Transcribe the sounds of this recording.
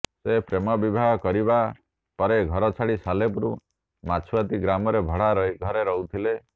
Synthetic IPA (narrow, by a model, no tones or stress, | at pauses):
sepɾemɔbibʱaɦɔkɔɾiba | pɔɾeɡʱɔɾɔt͡ʃʰaɽisalepuɾu | mat͡ʃʰuwat̪iɡɾamɔɾebʱɔɽ̤aɾɔiɡʱɔɾeɾɔɦut̪ʰile